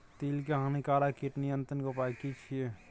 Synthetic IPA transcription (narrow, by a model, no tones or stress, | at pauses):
t̪ilkeɦãnikaːlakiʈnijənt̪ənɡopakit͡ʃʰie